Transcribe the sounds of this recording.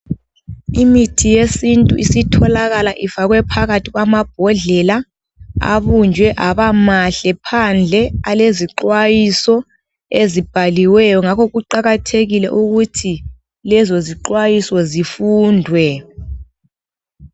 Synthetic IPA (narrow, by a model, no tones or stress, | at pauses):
imitʰijesintʼuʔisitʰɔlaɣalaʔifaɣwɛpʰaɣatʰiɣwamab̥̚ʱɔɮɛla | a̰βund͡ʒʱwɛʔaβamaɬɛpʰand͡ɮʱɛaleziǃwajisɔ | ezib̥ʱaliwɛjɔŋakʰɔɣuǃaɣatʰeɣilɛ̰ʔuɣutʰi | lɛzɔziǃwajisɔzifuːndʱwɛ